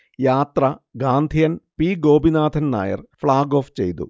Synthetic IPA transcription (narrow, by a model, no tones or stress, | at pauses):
jaːt̪rɐɡaːnd̪ʱijɐnpiːɡo̞ːbinaːd̪ʰʱɐnna̰ːjɐ̰rfɭaːɡo̞ːft͡ɕe̞̰jt̪ṵ